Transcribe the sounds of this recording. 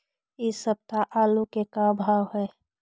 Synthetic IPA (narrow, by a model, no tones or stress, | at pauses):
ɪsəb̚t̪aʔaːlukekabʱaːwɦɛː